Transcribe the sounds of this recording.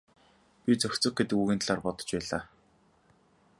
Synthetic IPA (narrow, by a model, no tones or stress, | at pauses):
pʲit͡sœxʲt͡sɞ̆x̚ɡet̪ɘ̆kuːɣĭnt̪ʰɮaːrpɔt̪ɞ̥̆t͡ɕpæːɮaː